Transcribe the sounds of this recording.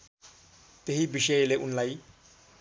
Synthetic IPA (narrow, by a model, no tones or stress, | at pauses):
t̪eɦibisʌjleʔunlaj